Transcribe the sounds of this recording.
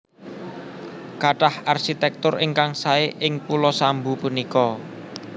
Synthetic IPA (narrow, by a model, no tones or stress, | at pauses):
kaʈaharʃit̪ɛk̚t̪ʊrɪŋkaŋsaeʔɪŋpulɔsambupunikɔ